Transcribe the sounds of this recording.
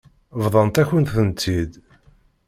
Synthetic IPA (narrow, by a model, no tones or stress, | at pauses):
vðˤɑnt̪æçənt̪θənt̪ːid̪